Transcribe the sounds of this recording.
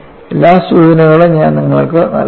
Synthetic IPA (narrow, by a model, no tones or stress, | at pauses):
elːaːsuðinɐɣɐɭeɲaːnniŋːɐɭkɨnɐ̰l